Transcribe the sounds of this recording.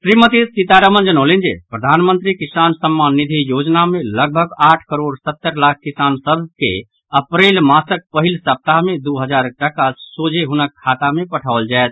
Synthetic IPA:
sɾimət̪isit̪aɾəmənd͡ʒənəʊlind͡ʒepɾəd̪ʱanmənt̪ɾikisansəmːanːid̪ʱijod͡ʒnameləɡ̚bʱəɡaʈʰkəɾoɖsət̪ːəɾlakʰkisansəbʱkḛ | əpɾelmãsək̚pəɦilsəp̚t̪aɦmed̪uɦəd͡ʒaɾʈəkasod͡ʒeɦunəkʰːat̪amepəʈʰaʊld͡ʒaet̪̚

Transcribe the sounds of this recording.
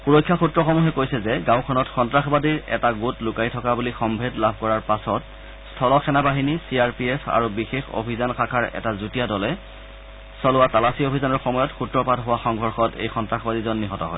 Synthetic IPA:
puɹɔjkʰːaxutɹɔxɔmuɦɛkojsɛzɛɡãʊ̃kʰɔnɔtxɔntɹaxbadiɹɛ̰taɡotlʊkajtʰɔkabulixɔmbʱedlabʱkɔɹaɹpasɔt | stʰɔlɔkʰɛnabaɦinisiaɹpiepʰa̰ɹubixexo̰bʱizanxakʰaɹɛ̰tazutijadɔlɛ | sɔlʊwatalasiobʱizanɔɹxɔmɔjɔtxutɹɔpadɦowaxɔŋbʱɔɹxɔtḛjxɔntɹaxbadizɔnːiɦɔtɔ̰ɦɔ̰j

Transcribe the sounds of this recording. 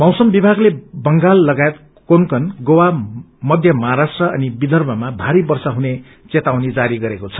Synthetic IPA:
mʌwsʌmbibʱaɡlebʌŋɡalːʌɡajet̪ | konkʌnɡowa | mʌd̪ʱjʌmʌɦaɾasʈrʌʌnibid̪ʱʌrmʌmabʱaɾibʌrsʌɦune | t͡set̪awnid͡zaɾiɡʌɾekot͡sʰʌ̥

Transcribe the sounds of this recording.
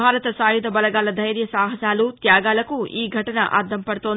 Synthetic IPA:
aːɾɐt̪ɐsaːjud̪ɐbɐlɐɡaːlɐd̪ʱɐjɾjɐsaːɦɐsaːlut̪jaːɡaːlɐkuiːɡʱɐʈɐnɐ̰ʔa̰ɾd̪ʰʱɐmpɐɽut̪oːn

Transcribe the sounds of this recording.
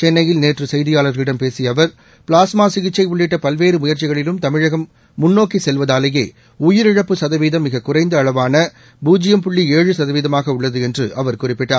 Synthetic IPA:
t͡ʃɛnːɐjɪlneːʈrɯsɛjðɪjaːlɐɾlɪɽɐmpeːsɪjɐʋɐɾ | pɭaːsmaːsɪɣɪt͡ʃːɐɪʋʊɭːɪʈːɐpɐlʋeːɾɯmʊjɐɾt͡ʃɪɣɐɭɪlɯmt̪ɐmɪɻɐɣɐmː | ʊnːoːkːisɛlʋɐðaːlɐjeː | ʊjɪɾɪɻɐpːɯsɐðɐʋiːðɐmːɪɣɐkʊrɐɪnd̪ɐːɭɐʋaːnɐ | buːd͡ʒɪjɐmpʊɭːieːɻɯsɐðɐʋiːðɐmaːɣɐʊɭːɐðɯɛndrɯʔɐʋɐɾkʊrɪpːɪʈːaːɾ

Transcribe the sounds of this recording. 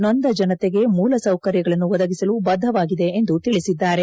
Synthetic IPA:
nond̪ɐd͡ʒɐnɐt̪eɡe̞muːlɐsɐwkɐɾjɐɡɐɭɐnːuʋɔd̪ɐɡisɐlubɐd̪ʱːɐʋaːɡid̪e̞ːnd̪ut̪iɭisid̪ːaːɾe̞

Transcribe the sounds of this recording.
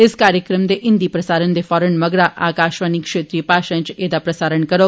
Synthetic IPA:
eskaːɾjəkɾəmd̪eʔind̪ipɾɐsaːɾənd̪efɔːɾəɳmɐɡɾaʔa̰ːkaːʃʋanikʂeːt̪ɾiːpaːʃãnt͡ʃeːd̪apɾɐsaːɾəɳkəɾo

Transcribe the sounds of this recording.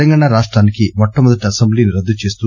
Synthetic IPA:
ɐŋɡaːɳaɾaːʂʈɾaːnikimɔʈːɐmɔd̪ɐʈiɐsembliːniɾɐd̪ːut͡ʃe̞ːst̪u

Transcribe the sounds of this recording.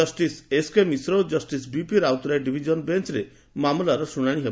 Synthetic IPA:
ɔsʈiseskemisɾowd͡ʒɔsʈisbipiɾawt̪ɾajɖibʱid͡ʒɔnbent͡ʃɾe | mamulaɾɔsuɽ̃aɽ̃iɦe

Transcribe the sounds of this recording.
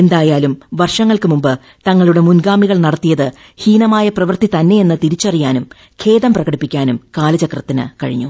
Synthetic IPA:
e̞nd̪aːjaːlumʋɐrʂɐŋːɐɭkɨmumbɨ | t̪ɐŋːɐɭuɽe̞munɡaːmiɣɐɭnɐɽɐt̪ːijɐðɨ | hiːnɐmaːjɐprɐʋɐrt̪it̪ɐnːe̞je̞nːɨt̪iɾit͡ɕːɐrijaːnum | kʰe̞ːðɐmprɐɣɐɽipːikʲːaːnumkaːlɐt͡ɕɐkrɐt̪ːinɨ̰kɐ̰ɻḭɲːu

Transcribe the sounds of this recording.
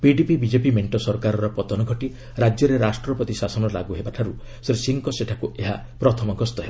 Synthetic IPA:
piɖipibid͡ʒepimeɳʈɔsɔɾkaɾɔɾɔpɔt̪ɔnɔɡʱɔʈi | ɾad͡ʒjɔɾeɾasʈɾɔpɔt̪isasɔnɔlaɡuɦebaʈʰaɾu | seɾesiŋkɔseʈʰakueɦa | pɾɔt̪ʰɔmɔɡɔst̪ɔɦeba

